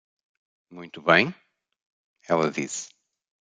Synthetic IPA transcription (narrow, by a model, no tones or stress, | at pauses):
mũj̃t̪uβɐ̃j̃ | ɛlˠɐðis